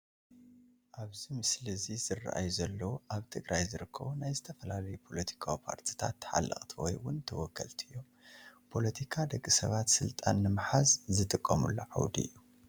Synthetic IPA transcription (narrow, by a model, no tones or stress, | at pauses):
ʔaβzimɨslɨzizɨrːa̰ʔajuzɐlːɐwuʔaβt̪ʰɨɡɾʔajzɨɾɨkʰːɐ̰βunajzɨt̪ʰɐfɐlalɐjupʰo̞lɐt̪ʰi̥kʰawipʰa̰ɾt̪ʰi̥t̪ʰa̰t̪ːħa̰lːʔɐ̰χʼt̪ʰiwɔ̰jwʊnt̪ʰɐwɔkʰːɐlt̪ʰɨjːo̞ | pʰo̞lɐt̪ʰikʰad̪ɐɡʼɨsɐβat̪sɨlt̪ʼanːɨmħazzɨt̪ʼɨkʼːɐmṵlːo̰ʕa̰wd̪iɨ̰jːu